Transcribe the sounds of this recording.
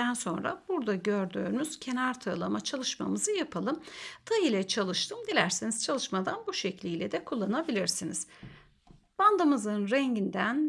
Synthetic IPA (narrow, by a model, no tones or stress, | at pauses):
ænso̞nɾa̰buɾd̪aɟøɾd̪yːnyz̥cʰe̞naɾt̪ʰɯːlˠamat͡ʃʰalˠɯʃma̰mɯzɯjapʰalˠɯmt̪ʰajɯlʲɛt͡ʃʰalˠɯʃt̪ʰɯmd̪ilʲæɾsiniz̥t͡ʃʰalˠɯʃmad̪anbuʃeclʲijlʲɛd̪ɛkʰulˠːanabilʲiɾsiniz̥ | b̥and̪amɯzɯnɾɛɲɟind̪æn